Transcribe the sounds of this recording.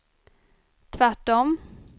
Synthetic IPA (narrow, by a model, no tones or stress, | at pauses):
t̪ʰvæʈːɔm